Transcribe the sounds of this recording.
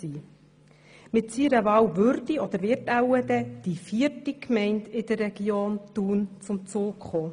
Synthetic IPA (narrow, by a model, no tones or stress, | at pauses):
iː | mɪt̪siːɾəvɑːwvʏɾdiɔd̪əɾʋɪtæwəd̪ɛd̥ifiəɾtikmɛɪnt̪ɪd̥̪ərːɛɡ̥ioːnt̪uːnt͡sʊmt͡suːkχoː